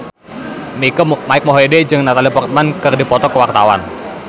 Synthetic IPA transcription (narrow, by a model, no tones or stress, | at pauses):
mikəmaɪk̚moɦeded͡ʒɨŋnat̪alipɔrt̪̚mankɨrdipɔt̪ɔkəwart̪awa̰n